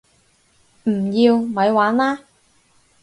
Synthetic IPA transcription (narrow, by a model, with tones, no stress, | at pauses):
m̩˨˩jiː˧wmɐ˨˧jwaː˨˥nlaː˥